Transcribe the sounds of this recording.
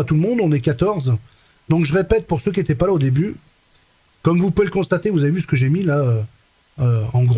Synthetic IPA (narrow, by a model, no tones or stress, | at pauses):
at̪uləmɔ̃d̪ɔ̃nɛkat̪ɔʁz | d̪ɔ̃kʒəʁepɛt̪̚puʁsøkʲiet̪ɛpalaod̪eby | kɔmvupveləkɔ̃st̪at̪evuzavevys̬ə̥kəʒemilaø | øɑ̃ɡʁ